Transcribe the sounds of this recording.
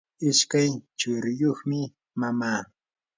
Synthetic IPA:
ɪʃkajt͡ʃʊɾjoχmɪ | mamaː

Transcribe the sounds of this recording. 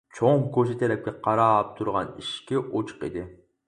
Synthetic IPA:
t͡ʃʰoŋkoʃ̬ɪt̪ʰɛɾɛp̚kʲɛqʰɑɾɑːp̚t̪ʰuɾʁɑniʃkʲɪʔot͡ʃʰə̥qḭd̪ɪ

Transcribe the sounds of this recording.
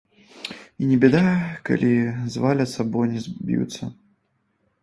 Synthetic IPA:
inʲɛbʲɛd̪aka̰lʲʔizvalʲɐt̪sabɔjnʲɛzʲbʲjṵt̪sɐ̰

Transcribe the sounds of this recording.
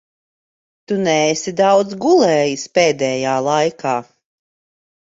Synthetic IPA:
t̪unɛːsid̪awd̪zɡulˠɛːjispɛːd̪ɛːjaːlˠajkʰaː

